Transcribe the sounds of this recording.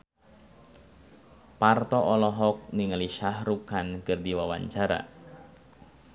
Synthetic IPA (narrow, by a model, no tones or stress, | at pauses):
part̪ɔʔɔlɔɦɔk̚niŋəliʃahrukankɨrdiwawa̰ɲt͡ʃaɾa̰